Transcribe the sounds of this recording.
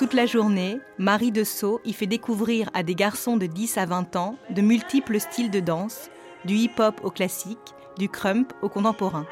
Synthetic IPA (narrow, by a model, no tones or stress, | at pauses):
t̪ut̪laʒuʁnemaʁid̪əsoʔifɛd̪ekuvʁiʁad̪eɡaʁsɔ̃d̪əd̪isavɛ̃t̪ɑ̃d̪əmylt̪ipləst̪ʰild̪əd̪ɑ̃s | d̪yipɔpoklasik | d̪ykχœ̃mpokɔ̃t̪ɑ̃pɔʁɛ̃